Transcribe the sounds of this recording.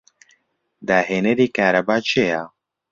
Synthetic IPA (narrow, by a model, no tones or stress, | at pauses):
d̪aːɦeːnɛɾiːkaːɾɐbaːt͡ʃʰejaː